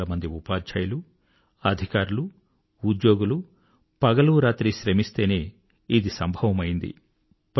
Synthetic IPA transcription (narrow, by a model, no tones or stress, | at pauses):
lɐmɐnd̪iupaːdd͡ʒɐːjɐlu | ɐd̪ʱikaːɾulu | ud̪joːɡulu | pɐɡɐluɾaːt̪ɾiʃɾɐmist̪e̞ːne̞ː | id̪isɐmbʱɐʋɐmɐjind̪ḭ | p